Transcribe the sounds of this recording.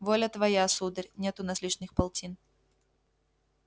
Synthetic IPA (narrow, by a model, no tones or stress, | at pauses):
vɔlʲɐt̪vajasud̪ɨrʲnʲɛt̪ʊnɐslʲit͡ʂnʲɨxpalˠtʲin